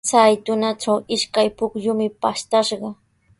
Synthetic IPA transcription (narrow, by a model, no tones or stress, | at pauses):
t͡sajt̪ʊnaʈ͡ʂawɪʃkajpʊkʎʊmɪpaʃt̪aʃɢɑ